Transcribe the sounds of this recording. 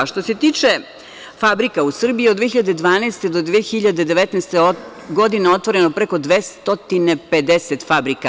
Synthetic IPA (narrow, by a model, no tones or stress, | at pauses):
ʃt̪o̞se̞t̪iːt͡ʂe | fabɾikausr̩bijiod̪d̪ʋeçiʎad̪e̞d̪ʋaːneːst̪ed̪o̞d̪ʋexiʎad̪ed̪e̞ʋet̪nast̪eo | ɡo̞d̪ineo̞t̪ʋo̞ɾenopɾeko̞d̪ʋest̪o̞t̪ineped̪eset̪fabɾika